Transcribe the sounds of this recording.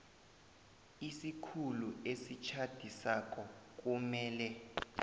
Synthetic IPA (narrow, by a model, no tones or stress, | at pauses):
isikʰuluesit͡ʃʰad̥ʱisak̬ʼɔk̬ʼumɛːlɛ